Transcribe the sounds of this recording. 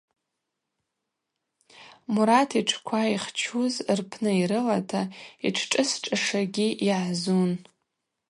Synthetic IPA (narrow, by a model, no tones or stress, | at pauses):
muɾatʰiʈ͡ʂʰkʷʰaiχt͡ʃʰuzrpʰnɨiɾɨlatʰaḭʈ͡ʂʰʈ͡ʂʼɨsʈ͡ʂʼaʂaɡʲiʔiʕzun